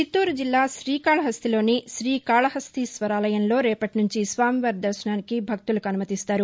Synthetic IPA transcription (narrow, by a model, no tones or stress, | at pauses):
t͡ʃit̪ːuːɾd͡ʒilːaːʃɾiːkaːɭɐɦɐst̪ilo̞ːniʃɾiːkaːɭɐɦɐst̪isʋɐɾaːlɐjɐnlo̞ːɾɛːpɐʈinuɲt͡ʃisʋaːmiʋɐɾd̪ɐɾʂɐɳaːnikibʱɐk̚t̪ulɐkɐnumɐt̪ist̪aːɾu